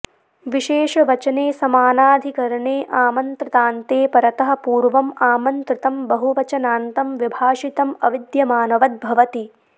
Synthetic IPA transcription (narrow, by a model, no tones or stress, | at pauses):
ʋiʃeːʃɐʋɐt͡ʃɐneːsɐmaːnaːd̪ʱikɐɾɐɳeːʔaːmɐnt̪ɾɐt̪aːnt̪eːpɐɾɐt̪ɐɦɐ̆puːɾʋɐmaːmɐnt̪ɾɪt̪ɐmbɐɦuʋɐt͡ʃɐnaːnt̪ɐmʋibʱaːʂit̪ɐmɐ̰ʋid̪jɐmaːnɐʋɐt̪̚bʱɐʋɐt̪i